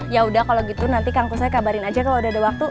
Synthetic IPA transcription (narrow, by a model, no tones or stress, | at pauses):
jaudahkaloɡit̪unant̪ikaŋt̪usajakabaɾɪnad͡ʒakaloudaɦadawak̚t̪u